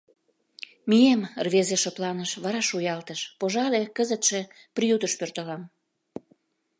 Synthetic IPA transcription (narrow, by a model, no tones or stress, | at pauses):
mijemrβezeʃoplɑnəʃβɑɾɑʃujɑlt̪əʃpoʒɑlekəzət̪ʃe̽ | prijut̪əʃpørt̪əlɑm